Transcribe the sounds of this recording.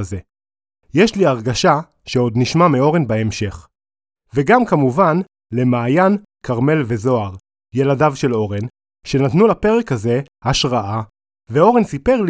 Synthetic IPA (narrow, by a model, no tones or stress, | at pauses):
ze̞ | jeʃliaʁɡaʃa | ʃeo̞dniʃmamio̞ʁenbaemʃe̞χ | veɡamkamuvan | le̞maːjan | kaʁme̞lve̞zo̞aʁ | je̞ladavʃe̞lo̞ʁen | ʃe̞natnulape̞ʁekhaze̞ | haʃʁaʔa | veo̞ʁensipe̞ʁl